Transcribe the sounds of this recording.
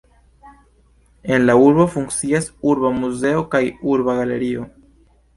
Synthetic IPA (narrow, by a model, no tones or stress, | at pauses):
e̞nlauɾbofuŋkt͡siasuɾbamuze̞o̞kajuɾbaɡale̞̰ɾio̞